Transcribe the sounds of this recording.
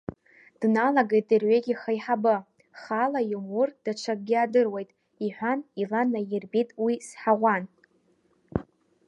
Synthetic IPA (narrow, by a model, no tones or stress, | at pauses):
d̥nalaɡejt̚ʼirɥeɡʲiχajħabɨ | χalajumurd̥aʈ͡ʂʰak̚ɡʲiadɨrwejtʼ | iħʷᶣanilanajɪrbitʼwisħaʁʷan